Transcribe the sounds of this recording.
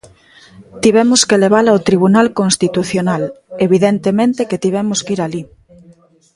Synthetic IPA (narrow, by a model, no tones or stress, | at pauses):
t̪iβ̞ɛmʊskeleβ̞alaot̪ɾiβ̞unalkõnst̪it̪uθjonaleβiðent̪emẽnt̪eket̪iβ̞ɛmoskiɾali